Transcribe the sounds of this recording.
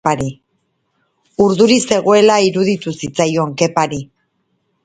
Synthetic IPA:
aɾi | uɾðuɾise̞ɣo̞e̞laiɾuðit̪usit͡sajo̞ŋke̞paɾi

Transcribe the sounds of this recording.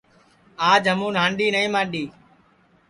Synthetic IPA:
aːd͡ʒɦəmũːnɦãːɳɖiːnəĩːmãːɗiː

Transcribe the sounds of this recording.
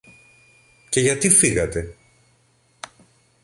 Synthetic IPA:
ce̞ʝɐt̪ifiɣɐt̪e̞

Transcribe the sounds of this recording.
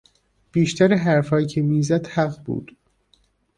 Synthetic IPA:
b̥iːʃt̪ʰæɾeɦæɾfɒːjcʰemiːzæd̪̥hæɣbṵːd̪̥

